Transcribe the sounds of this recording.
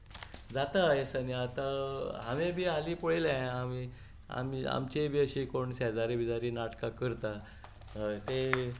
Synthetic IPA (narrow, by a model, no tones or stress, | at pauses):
d͡zat̪ajesaniat̪aɦaʋẽbʱiːaliːpəɭelãami | a̰mia̰mt͡ɕebeɕikoɳɕad͡zaɾebid͡zaɾiːnaʈkakəɾt̪a | t̪e